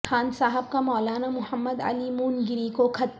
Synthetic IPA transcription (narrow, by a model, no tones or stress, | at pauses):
xʰaːnsaːɦəb̚kamɔːlaːnamʊhəmːəd̪ɐ̰limuːnɡɪɾikokʰɐt̪